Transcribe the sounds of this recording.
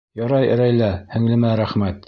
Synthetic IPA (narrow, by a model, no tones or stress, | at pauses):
jɑɾɑjɘ̰̆ɾæjlæhɘ̆ŋlɘ̆mæɾæχmæt̪